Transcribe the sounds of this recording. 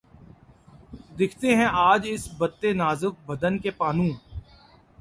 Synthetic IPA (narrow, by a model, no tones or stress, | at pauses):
d̪ɪkʰt̪eɦɛ̃ʔaːd͡ʒɪsbət̪ːenaːzʊk̚bɐd̪ənkepaːnũː